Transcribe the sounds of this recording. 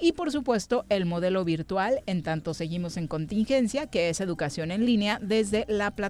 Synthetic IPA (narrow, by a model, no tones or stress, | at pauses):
ipo̞ɾs̬upwe̞st̪o̞ʔe̞lmo̞ð̞e̞lo̞βiɾt̪wale̞nt̪ant̪o̞se̞ɣimo̞se̞ŋko̞nt̪iŋxe̞nsjake̞e̞se̞ðukasjo̞ne̞nlineaðe̞zðe̞lapla